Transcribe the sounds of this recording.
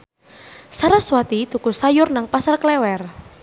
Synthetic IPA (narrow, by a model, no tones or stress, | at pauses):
saɾaswat̪it̪ukusajʊrnaŋpasarklɛwɛr